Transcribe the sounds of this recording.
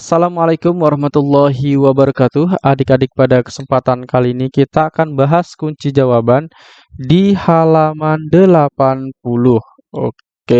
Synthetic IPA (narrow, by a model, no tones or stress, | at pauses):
asalamalajkʊmwaɾɑhmat̪ulːɔɦiwabəɾɑkat̪uɦadikadɪk̚padakə̥səmpat̪ankaliːnikit̪aːkanbaɦaskuɲt͡ʃid͡ʒawaban | dihalamandəlapanp̚ulʊh | ok | e